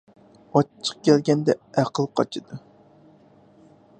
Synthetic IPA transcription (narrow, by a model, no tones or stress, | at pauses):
ɑt͡ʃʰːə̥q̚kʲʰɛlɡʲɛnd̪ɛæqʰəlˠqʰɑt͡ʃʰɨd̪u